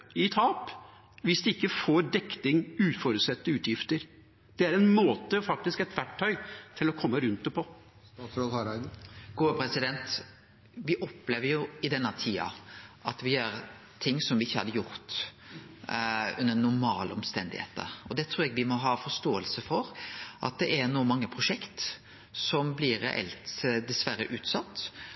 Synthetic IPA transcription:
ɪt̪ʰɑːp | ʋɪsd̪ɛɪkːəfoːɖ̪ɛkt̪ɪŋʉːt̪fɔɾʉːt̪sɛt̪ːəʉːt̪ʰjɪft̪əɾ | d̪̥ɛæɾɛnmoːt̪əfɑk̚t̪ɪskɛt̪ʋæʈʰːœʏt̪ʰɪlɔkʰɔmːəɾʉnt̪̚d̪ɛpʰɔ | sɾɔhɑɾɡ̥uːəpʰɾɛsɪd̪ɛnt̪ | ʋɪʔɔpːleːʋəɾjʊɪd̪ɛnːət̪ʰiːɑ̰ʔɑt̪ʋɪjøːɾ | t̪ʰɪŋːsɔmʋɪɪçːəhɑ̰d̪ːəjʊɾt̪ | ʉnːənʊɾmɑːləɔmst̪ɛnd̪ɪ̰hḛːt̪ə̰ɾɔd̪ɛt̪ʰɾuːɾɛɡʋɪmɔɦɑːfɔst̪oːəlsəfɔɾʔɑ̰t̪̚d̪ɛʔɛɾnuːmɑŋːəpʰɾʊʂɛkt̪ | sɔmblɪɾɾɛ̰ʔɛ̰lt̪d̪ɛsʋæɾəʔʉːt̪sɑt̪ː

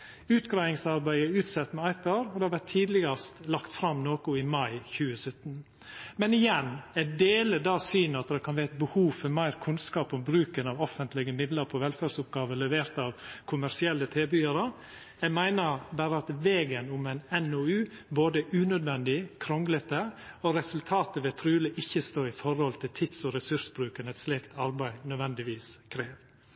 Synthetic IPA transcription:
ʉːt̪ɡɾæɪɪŋsɑɾbæɪəʉːt̪sɑt̪ːmɛɑɪt̪ɑɾɔd̪ɛhɑʋæʈtʰːiːd̪lɪɡɑst̪lɑkt̪fɾɑmnoːkʊɪmɑɪçʉːəsœt̪ːn | mɛnɪjɛnæɖeːləd̪ɑːsyːnəɑt̪̚d̪ɛkʰɑnʋæːt̪̚bəhuːfɔɾmæɪɾkʰʉnskɑːpɔmbɾʉːkənɑʋɔfənt̪lɪɡəmɪd̪ləɾpʰɔʋɛlfæɖsʊp̚ɡɑːʋəlɛʋeːɾt̪ɑʋkʰʊmæɾsɪɛlːət̪ʰeːbyːəɾə | jɛmæɪnəɾbæːɾəɑt̪ʋeːɡənʊmɛɪnɛnoːʉːboːd̪əʉːnœd̪ʋɛnd̪ɪkʰɾɔŋɡlət̪əɔɾɛsʉlt̪ʰɑːt̪əʋɛt̪ʰɾʉːləʔɪçːəst̪oːɪfɔɾhɔlt̪ʰɪlt̪ʰɪt̪sɔɾɛsʉɾʂəbɾʉːkənɛt̪slɛkt̪ʰɑɾbæɪnœd̪ʋɛnd̪ɪʋiːskʰɾeːʋ

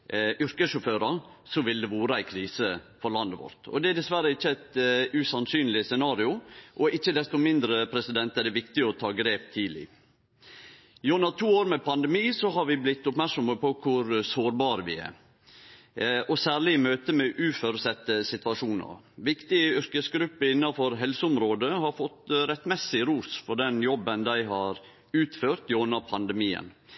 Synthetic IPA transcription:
ʏɾkəsʃʊføːɾɑ | sɔʋɪld̪ɛʋoːɾəæɪkʰɾiːsəfɔɾlɑnd̪əʋɔ̰ɾt̪ɔ̰d̪ɛæd̪ɛsʋæɾəɪçːəæɪt̪ʉsɑnsyːnlɪsɛnɑːɾɪʊʔɔʔɪçːəd̪ɛst̪ɔmɪnd̪ɾəpʰɾɛsɪd̪ɛnt̪ɛd̪ɛʋɪkt̪ɪɔt̪ʰɑːɡɾeːpt̪ʰiːlɪ̰ | jʊnɑt̪ʰuːoːɾmɛpʰɑnd̪ɛmiːsɔɦɑɾʋɪblɪt̪ːʊpmæɾksɔməpɔkʰʊɾsoːɾbɑːɾəʋɪɛ̰ | ʔɔsæːɾɭɪɪmøːt̪əmɛʔʉːfɔɾʉsɛt̪ːəsɪt̪ʋɑʂuːnə̰ɾ | ʋɪkt̪ɪəʏɾkəsɡɾʉpːəɪnːɑfɔɾɦɛlsəʊmɾoːd̪əhɑɾfɔt̪ɾɛt̪ːmɛsɪɾuːsfɔɖɛnjɔbːənd̪æɪɦɑːɾ | ʉːt̪føːɾt̪jʊnəpʰɑnd̪ɛmiːə̰n

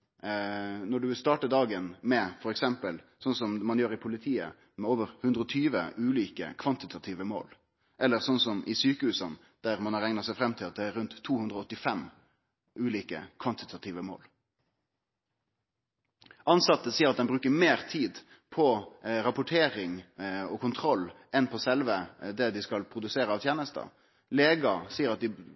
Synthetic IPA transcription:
nɔɖʉʋɪlst̪ɑːʈəd̪ɑːɡənmɛfɔɾɛksɛmpəl | sɔnsɔmmɑnjøːɾɪpʰʊlɪt̪ʰiːə̰ | mɛoːʋəʁhʉnd̪ɾəɔt̪ʰyːʋə̰ʔʉːliːkə̰kʰʋɑnt̪ɪt̪ʰɑt̪ʰiːʋəmo̰ːl | ʔɛlːəʁsɔnsɔmʔɪsyːkəhʉːsən | d̪̥æʁmɑnɑʁɛŋnɑsæɪfɾɛmːt̪ʰɪlɑt̪̚d̪ɛæɾʉnt̪ʰːuːhʉnd̪ʁəɔɔt̪ːɪfɛm | ʔʉːliːkə̰kʰʋɑnt̪ɪt̪ʰɑt̪ʰiːʋəmo̰ːl | ʔɑnsɑt̪ːəsiːəɾɑt̪̚d̪ɛnbʁʉːkəmeːʁt̪ʰiːd̪ | pʰɔɾɑpʊʈʰeːʁɪŋɔkʰʊnt̪ʰɾɔlːʔɛnpʰɔsɛlʋəd̪ɛd̪ɪskɑlpʰɾʊd̪ʉseːɾəɑːʋt̪ʰjæːnəst̪ɑ̰ | leːɡɑsiːəɾɑt̪̚d̪ɪ

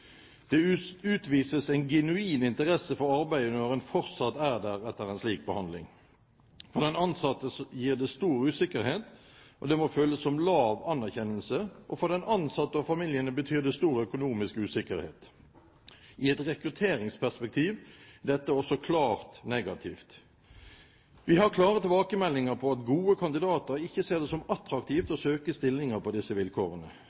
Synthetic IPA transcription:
d̪̥ɛʉːt̪ʋiːsəsæɪnɡɛnʉiːnɪnt̪əʁɛsəfɔɾɑʁbæɪd̪ənɔʁɛnfɔɾt̪sɑt̪ːæːd̪æːʁɛt̪ːəʁɛnsliːk̚bəhɑnd̪lɪ̰ŋ | fɔʁd̪ɛnɑnsɑt̪ːəsjiːʁd̪ɛst̪uːɾʉːsɪkəɾheːt̪ | ʔɔ̰d̪ɛmoːføːləsːɔmlɑːʋɑnːæʁçɛnːəlsəʔɔfɔʁd̪ɛnɑnsɑt̪ːəɑfɑmɪljənəbət̪ʰyːʁd̪ɛst̪uːʁœkʊnuːmɪskʉːsɪkəɾhḛːt̪ | ʔɪɛt̪ʁɛkʁʉt̪ʰeːɾɪŋspʰæspɛk̚t̪ʰiːʋd̪ɛt̪ːəɔsɔkʰlɑːʁt̪neːɡɑt̪ʰiːft̪ | ʋɪhɑʁkʰlɑːʁət̪ʰɪlbɑːkəmɛlːɪŋəʁpʰɔɑt̪ɡuːəkʰɑnd̪ɪd̪ɑːt̪əɾɪçːəseːʁd̪ɛːsɔmɑt̪ɾɑkt̪ʰiːft̪ɔsøːkəst̪ɪlnɪŋəpʰɔd̪ɪsːəʋɪlkʰoːʁənə

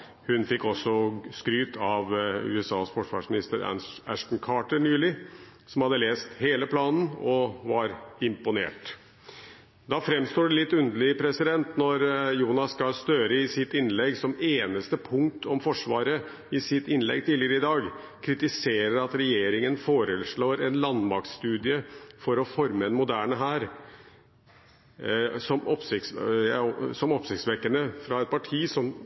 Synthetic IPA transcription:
hʉnfɪkːɔsːɔskɾyːt̪ʰɑʋʉ̰ːɛsɑ̰ːsfɔʂʋɑ̰ːʂmɪnɪst̪əɾæ̰æʂʈ̪n̩kʰɑːʈəɳyːlɪ | sɔmhɑd̪əleːst̪heːləpʰlɑːnn̩ɔʋɑɾɪmpʊnḛːʈ | d̪ɑːfɾɛmst̪oːɖɛlɪt̪ːʉnd̪əlɪpʰɾɛsɪd̪ɛnt̪nɔɾjuːnɑskɑlst̪øːɾəɪsɪt̪ɪnlɛɡsɔmeːnəst̪əpʰʊŋt̪ʰɔmfɔʂʋɑːɾə | ɪsɪt̪ɪnlɛ̰ɡt̪iːlɪəɾəɪd̪ɑːɡ | kʰɾɪt̪ɪseːɾəɾɑt̪ɾɛjeːɾɪŋənfoːɾəʂɭoːɾɛnlɑnmɑksst̪ʉːd̪ɪəfɔɾɔfɔɾməɛnmʊd̪æːɳəɦæːɾ | sɔmʔɔpsɪt̪s | sɔmɔpsɪkt̪sʋɛkːəɳəfɾɑɛt̪̚pʰɑʈʰiːsɔm

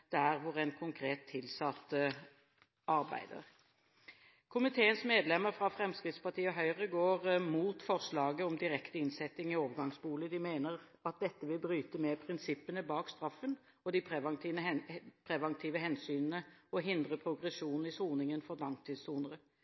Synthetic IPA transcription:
d̪̥æʁʋʊʁæɪnkʰʊŋkʰɾeːt̪ʰːɪlsɑt̪ːə | ʔɑʁbæ̰ɪd̪ə̰ʁ | kʰʊmɪt̪ʰeːənsmeːd̪lɛmːəʁfɾɑfɾɛmskʁɪd̪spɑʁt̪ʰiːɔɦœʏʁəɡoːʁmuːt̪fɔʁʂlɑːɡəɔmd̪ɪʁɛkt̪əɪnsɛt̪ːɪŋɪoːʋəɡɑŋsbuːləd̪ɪmeːnəʁ | ɑt̪̚d̪ɛt̪ːəʋɪlbɾyːt̪əmɛpʰʁɪnsɪpːənəbɑːkst̪ɾɑfːən | ɔd̪ɪpʰʁɛʋ̪əpʰʁɛʋɑŋt̪ʰiːʋəɦɛnsyːnənəɔɦɪnd̪ʁəpʰɾʊɡʁɛsuːnn̩ɪsuːnɪŋənfɔʁd̪ɑŋt̪ʰiːd̪suːnəʁə

